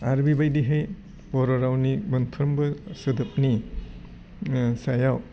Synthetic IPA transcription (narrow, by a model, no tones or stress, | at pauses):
aɾbibajdiɦej | bɔɾɔɾawnibɐnpʰɯɾmbɯsɯdɯp̚ni | sajaw